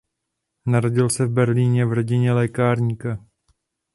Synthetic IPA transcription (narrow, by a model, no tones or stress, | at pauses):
naɾoɟɪlsɛvbɛɾliːɲɛvro̞ɟɪɲɛlɛːkaːɾɲiːka